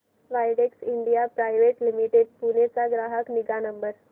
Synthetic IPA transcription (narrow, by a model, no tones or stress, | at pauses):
ʋajɽeksiɳɖijapɾajʋeʈlimiʈeɖ̚punet͡saɡɾaɦəkniɡanəmbəɾ